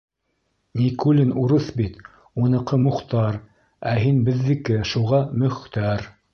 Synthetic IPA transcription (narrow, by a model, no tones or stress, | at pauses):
nʲikulʲinuɾɤθbit̪ | unɤ̆qɤmŭqt̪ɑɾ | æɦinbɘ̆ðːɘkɘʃuʁɑmɵ̆χt̪æɾ